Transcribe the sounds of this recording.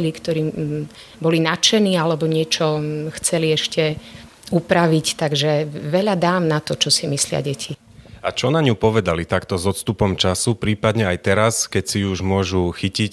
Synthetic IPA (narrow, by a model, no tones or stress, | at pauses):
likt̪ɔɾiː | bɔlinat͡ʃɛniːalɛbɔɲɪɛt͡ʃɔxt͡sɛliɛʃcɛ | upɾaʋict̪aɡʒɛʋɛʎad̪aːmnat̪ɔt͡ʃɔsimislɪa̰ɟɛcʰi | at͡ʃɔnaɲupɔʋɛd̪alit̪akt̪ɔzɔt̪st̪upɔmt͡ʃasupɾiːpad̪ɲɛajt̪ɛɾaskɛcsiuʒmʊɔʒuxicic